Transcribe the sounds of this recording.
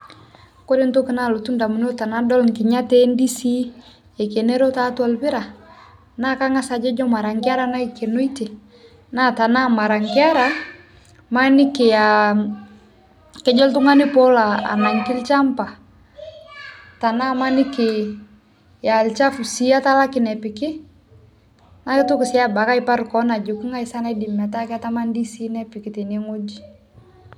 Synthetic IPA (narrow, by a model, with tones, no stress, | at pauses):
ko˦ɾe˦nto˦kɪ˨na˦˨lo˨tu˦nda˨mu˨n˦o˦ta˨na˦dɔ˦lŋkɪ˨ɲa˦tɛ˦ndi˦si˦ | ɛ˨ke˨nɛ˦ɾɔ˦ta˦tu˦a˨lbɪ˦ɾa˨ | na˦ka˦ŋa˦sa˨d͡ʒɛ˦d͡ʒɔ˦ma˨ɾa˨ŋkɪ˦a˦ɾa˦na˦i˨ke˨no˦i˦te˨ | na˦ta˨na˦ma˨ɾa˨ŋkɪ˦a˦ɾa˦ | ma˦nɪ˦ke˨ja˨ | kɛ˦d͡ʒɔ˦ltu˦ŋa˦ni˦pɔ˦la˨a̰˨na˨ŋki˦lt͡ʃa˦mpa˨ | ta˨na˦ma˦ni˦kɪ | ja˨lt͡ʃa˦fu˨si˦a˦ta˦la˦kɪnɛ˨pi˨kɪ˦ | na˦kɪ˦tu˦ki˨si˦a˦ba˨ka˦i˦pa˦ɾkɔ˦na˨d͡ʒu˨ku˦ŋa˦i˨sa˦na˦i˦di˨ma˨ta˦kɛ˦a˦ta˦ma˦ndi˦si˦nɛ˦pi˨ki˨ti˨neŋo˦d͡ʒi˨